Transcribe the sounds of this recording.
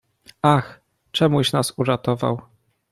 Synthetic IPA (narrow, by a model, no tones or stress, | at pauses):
ax | t͡ʂɛmuɕnasuɾat̪ɔva̰w